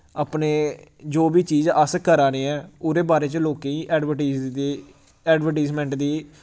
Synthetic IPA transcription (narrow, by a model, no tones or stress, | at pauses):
aːpneːd͡ʒoːbiːt͡ʃiːzəskəɾaːɾeːɛ̃ːʊɾeːbaːɾeːt͡ʃəloːkẽːĩːʔɛːɖʋəʈː | ɛːɖʋəʈaːzmɛ̃ːɳʈd̪iː